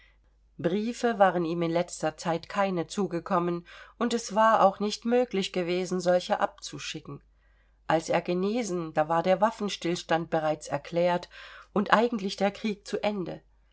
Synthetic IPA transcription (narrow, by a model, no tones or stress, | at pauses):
b̥ʁiːfəvaːʁ̞əniːmɪnlɛt͡stɐt͡saɪtkʰaɪnət͡suːɡəkʰɔmənʔʊntɛsv̥aːɐa̰ʊxnɪçtmøːklɪçɡ̥əveːzn̩zɔlçəʔa̰p̚t͡suʃɪkŋ̩ | ʔalsʔeːɐɡəneːzn̩d̥aːvaːɐdeːɐvafn̩ʃtɪlʃtant̚b̥əʁaɪt͡sɛɐkʰl̥ɛːɐtʔʊntʔaɪɡŋ̩tlɪçd̥eːɐkʁ̥iːk̚t͡suʔɛndə̰